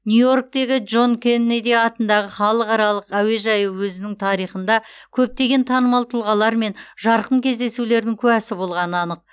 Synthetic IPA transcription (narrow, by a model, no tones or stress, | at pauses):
nʲujo̞rk̚t̪e̞ɡʲɪd͡ʒo̞nkʰʲenːed̪iɑt̪ənd̪ɑʁəχɑlˠəqɑɾɑlˠəqæwe̞ʒɑjəwɵzɪnɪŋt̪ʰɑɾijχən̪d̪ɑkʲʰɵp̚t̪e̞ɡʲe̞nt̪ʰɑnəmɑlˠt̪ʰəlˠʁɑlˠɑɾme̞nʒɑɾqəɴkʲʰe̞zd̪e̞sule̞ɾd̪ɪŋkʲʰɵæsɪbo̞lˠʁɑnəɑnəq̚